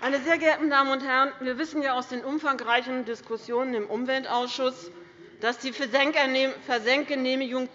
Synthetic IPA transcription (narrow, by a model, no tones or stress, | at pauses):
ʔaɪnəzeːɐɡɛɐtn̩daːmənʊnthɛʁənviːɐvɪsn̩jaːaʊsd̥eːnʔʊmfaŋʁaɪçn̩dɪskʊsjoːnənɪmʔʊmvɛltʔaʊsʃʊs | d̥asd̥iː | fɛɐzɛŋt̚ɡ̥əneːmiɡʊŋ